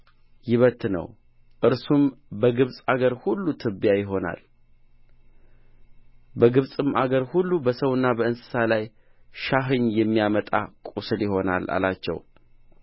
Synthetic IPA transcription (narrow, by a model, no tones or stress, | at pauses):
jɪβət̪nə̰w | ʔɨɾsumbəɡɨβsʼaɡəɾhulːut̪ʰɨbjajɪɦo̞na̰l | bəɡɨβsʼɨmaɡəɾhulːubəsəwɨnːabəɨnsɨ̥salaj | ʃaɦɨɲːjɛmːijamət̪ʼa̰kʼusɨljɪɦo̞na̰la̰lat͡ʃːɛ̰w